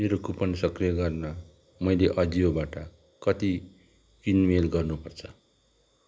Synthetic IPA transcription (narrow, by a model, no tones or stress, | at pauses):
meɾokupʌnsʌkrijʌɡʌrnʌ | mʌjleʔʌd͡ziobaʈʌ | kʌt̪i | kinmelɡʌrnupʌrt͡sʰʌ